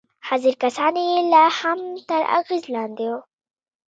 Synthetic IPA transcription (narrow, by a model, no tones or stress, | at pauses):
haziɾkasɑnjelahamt̪aɾa̰ɣizlɑːnd̪io